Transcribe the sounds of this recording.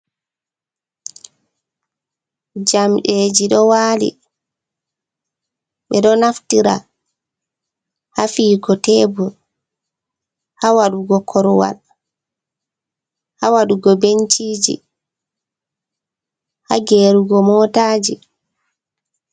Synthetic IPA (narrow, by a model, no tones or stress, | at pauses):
d͡ʒamɗeːd͡ʒiɗɔwaːlḭ | ɓɛɗɔnaftiɾa | hafiːɡɔtɛːbɔl | hawaɗuɡɔkʰɔɾwa̰l | hawaɗuɡɔbeɲt͡ʃiːd͡ʒḭ | haɡeːɾuɡɔmɔːtaːd͡ʒi